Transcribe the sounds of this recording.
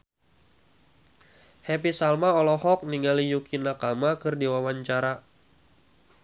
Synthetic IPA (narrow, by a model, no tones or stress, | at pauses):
hɛp̬isalmaɔlɔhɔk̚niŋalijukinakamakɨrdiwawaɲt͡ʃaɾa